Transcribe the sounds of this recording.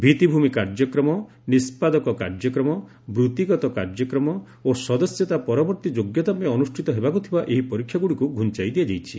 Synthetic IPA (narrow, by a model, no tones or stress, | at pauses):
bʱit̪ibʱumikaɾd͡ʒɔkɾɔmɔ | nispad̪ɔkɔkaɾd͡ʒɔkɾɔmɔ | bɾut̪iɡɔt̪ɔkaɾd͡ʒɔkɾɔmɔ | osɔd̪ɔsjɔt̪apɔɾɔbɔɾt̪id͡ʒoɡjɔt̪apɔẽɔnusʈʰit̪ɔɦebakut̪ʰibaʔeɦipɔɾikʰːjaɡuɽikuɡʱunt͡ʃajd̪iad͡ʒajt͡ʃʰḭ